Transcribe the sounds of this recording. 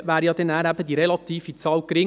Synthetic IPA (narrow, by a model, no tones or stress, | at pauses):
ʋæːɾjɑd̪ɛnæːɾæbəd̪iɾɛlɑt̪iːfit͡sɑːwkɾɪŋ